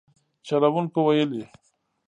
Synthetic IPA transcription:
t͡ʃalawuŋkowajəli

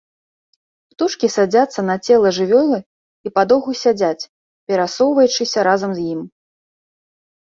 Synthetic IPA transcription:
pt̪uʂkʲisad͡zʲat̪sːɐnɐt͡sʲɛlˠɐʐɨvʲɔlˠɨ | ipad̪ɔɣusʲad͡zʲat͡sʲ | pʲɛɾasɔwvɐjut͡ʂɨsʲɐɾazɐmzjim

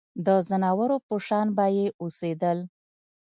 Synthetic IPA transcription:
d̪əzanɑwaɾopoʃɑnbajeʔosed̪əl

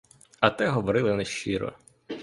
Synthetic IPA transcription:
ɐt̪ɛɦɔʋɔɾɪlˠɪnɛʃt͡ʃiɾɔ̰

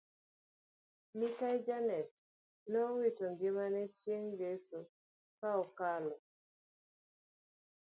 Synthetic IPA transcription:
mikajd͡ʒanɛt̚ | nɔwitoŋɡɪmanɛt͡ʃjeŋjesu | kaɔkalɔ

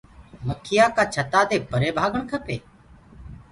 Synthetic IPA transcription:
məkʰɪjaːkaːt͡ʃʰət̪aːd̪eːpəɾeːbʱaːɡəɳkʰəpeː

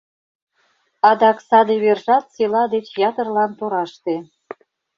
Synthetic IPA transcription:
ɑd̪ɑksɑd̪eβerʒɑt̪silɑd̪et͡ɕjɑt̪ə̆rlɑnt̪oɾɑʃt̪e

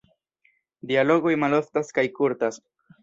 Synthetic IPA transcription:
dialo̞ɡojmalo̞ftaskajkuɾtas

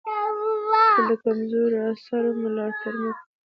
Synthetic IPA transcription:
kəd̪əkamzoɾasaɾomʊlɑt̪aɾma

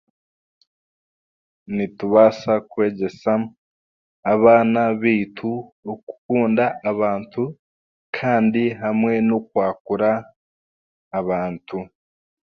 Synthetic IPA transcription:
nituβasakwe̞ːɟe̞sa | aβaːnaβiːtʰuoku̥kuːndaːβaːntʰu | kʰaːndiɦamŋe̞nokwaːkuɾa | βaːntʰu

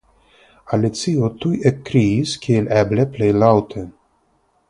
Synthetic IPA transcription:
alit̪siot̪ujʔɛkːɾiːskʰilɛbleplejlawt̪ʰe

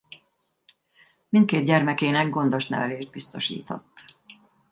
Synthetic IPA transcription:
mint̪̚keːd̪̚ɟɛrmɛkeːnɛɡɡo̞nd̪o̞ʃt̪nɛ̰vɛleːʒd̪̚bist̪o̞̰ʃḭːt̪o̞̰t̪ː

